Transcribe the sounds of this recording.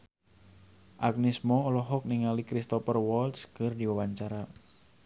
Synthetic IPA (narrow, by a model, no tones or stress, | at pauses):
ʔak̚nismɔɔlɔɦɔk̚niŋalikɾist̪ɔpərwɔltskɨrdiwawaɲt͡ʃaɾa